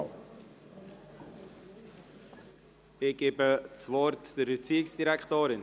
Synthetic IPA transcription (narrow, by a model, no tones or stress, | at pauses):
ɪɡ̥eːbət͡svɔɾtd̥əɾbət͡siːɪksd̥iɾɛktoːɾɪn